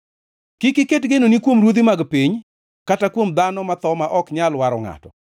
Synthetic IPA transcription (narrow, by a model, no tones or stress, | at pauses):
kɪkɪketɡenonikwomɾwod̪imaɡpiɲ | katakwomd̪anɔmat̪ɔmaʔɔkɲalwaɾɔŋa̰tɔ̰